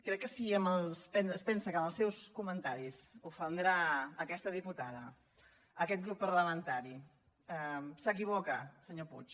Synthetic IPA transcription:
kɾɛkːəsiəməlˠspɛnəspɛnsəkəməlˠsɛwskumənt̪aɾisufənd̪ɾaːkɛst̪əðiput̪aðə | əkɛt̪̚ɡɾupːəɾləmənt̪aɾi | ɛsəkiβ̞ɔkəsəɲoput͡ʃ

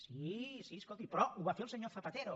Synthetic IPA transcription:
sisieskolt̪ipɾɔuβafelseɲoɾθapat̪eɾo

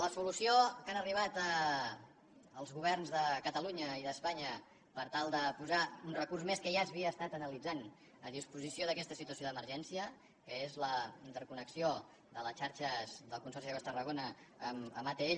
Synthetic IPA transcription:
ləsulusijokanəriβat̪ə | lˠzɣuβ̞ɛrnzðəkət̪əluɲəiðəspaɲə | pəɾt̪alˠd̪əpuzaunrəkursmeskəʒazβiəːst̪at̪ənəlid͡zan | əðispuzisioðəkɛst̪əsit̪uəsioðəməɾʒɛnsiə | kəezləint̪əɾkunəksio | ðələt͡ʃaɾʃəzd̪əlˠkunsɔɾrsiaβast̪ərəɣonəːməmat̪ee

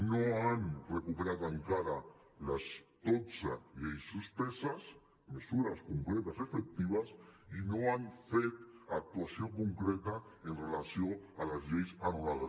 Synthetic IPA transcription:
noanrekupeɾat̪əŋkaɾa | ləst̪osəʎejsuspesəs | məsuɾaskuŋkɾet̪əsefek̚t̪iβ̞əsinoanfet̪ak̚t̪uasiokuŋkɾet̪əənrelasijoələzʎejsanulaðə

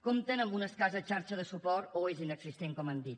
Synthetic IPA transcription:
komt̪ənəmbunəskazət͡ʃaɾt͡ʃəðəsupɔɾt̪oezinəɡsist̪eŋkɔmand̪it̪̚

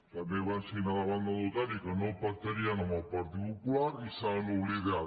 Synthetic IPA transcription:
k̪aneβansiinaðaβand̪aðut̪anikanopaɾt̪eɾianamapaɾt̪iɣukuaɾisaluɾiðea

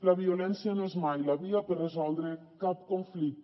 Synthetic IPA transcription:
laβiolɛnsianoezmajlaβiapərezɔlˠd̪ɾe | kap̚koɱflik̚t̪

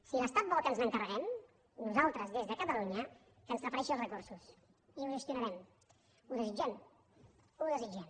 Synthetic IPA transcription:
siləst̪at̪̚bɔkənzləŋkərəɣɛm | nuzalˠt̪ɾəzðezðəkət̪əluɲə | kənzrəpəɾɛʃiəlˠzrəkuɾsus | iuʒəst̪junəɾɛm | uðəzid͡ʒɛm | uðəzid͡ʒɛm

